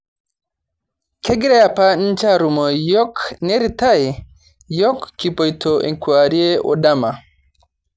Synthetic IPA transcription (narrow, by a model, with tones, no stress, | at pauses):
kʰe˦ɡi˦ɾe˦ja˨pa˦n̩t͡ʃa˦ɾu˨mɔ˨jɔ˦kne˦ɾita˦i˨ | jɔ˦kːi˨pɔ˨jtʰo˨ʔḛ˨ŋkua˨ɾi˦e˦ʔɔ̰˨da˦ma˨